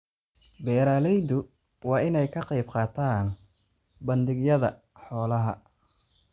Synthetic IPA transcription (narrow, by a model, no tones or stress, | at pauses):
bɛːɾaːlɛjd̪ʊ | wɑːɪnɛjkʰɐqɑjbqɑːt̪ʰaːn | bɐnd̪ɪɡjɐðɐ | ħɔːlɐɦɐ̰